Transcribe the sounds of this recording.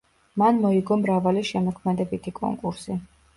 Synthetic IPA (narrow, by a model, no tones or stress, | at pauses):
manmɔiɡɔmɾavaliʃɛmɔkʰmɛd̪ɛbit̪ʰikʼɔ̰ŋkʼuɾsi